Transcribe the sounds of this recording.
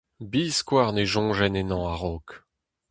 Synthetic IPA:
biːskwaʁneʒɔ̃ʒɛnenɑ̃aʁɔk

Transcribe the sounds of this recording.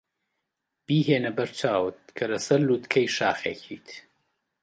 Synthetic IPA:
b̥iːɦeːnɐbɐɾt͡ʃʰaːwɨt̪̚kʰɐlɐsɐɾluːt̪kʰɐjʃaːxḛːkʰit̪ʰ

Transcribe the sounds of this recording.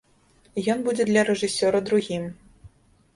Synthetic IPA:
jɔnbud͡zʲɛd̪lʲɐɾɛʐɨsʲɔɾɐd̪ɾuɣʲim

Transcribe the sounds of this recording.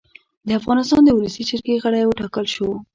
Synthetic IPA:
d̪əafɣɑnɪst̪ɑnd̪əwuləsit͡ʃaɾkeɣəɽajwəʈɑkəlʃo

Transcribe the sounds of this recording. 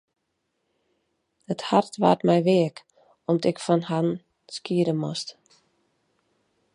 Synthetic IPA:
həthartʋa̰ːtmɛjʋɪək | ɔmdɪkfanhan | skiəɾəmost

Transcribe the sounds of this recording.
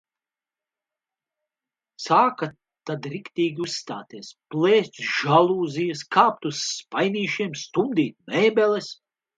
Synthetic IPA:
saːka | t̪ad̪ɾikt̪iːɡʲiusːt̪aːt̪iɛsplˠɛːsʲt̪ʲʒalˠuːzijɐskʰaːpt̪usːpajnʲiːʃiɛmst̪umd̪iːt̪̚mɛːbʲɛlɛs

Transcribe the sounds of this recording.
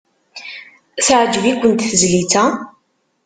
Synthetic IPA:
θʕd͡ʒvikʷːənt̪θəzlit͡sæ

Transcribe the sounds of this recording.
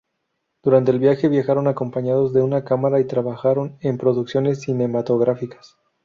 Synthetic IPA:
d̪̥uɾant̪eːlβjaxe̞βjaxaɾo̞nako̞mpaɲaðo̞zðe̞unakamaɾait̪ɾaβaxaɾo̞ne̞mpɾo̞ðuksjo̞ne̞s̬ːine̞mat̪o̞ɣ̞ɾafikḁs

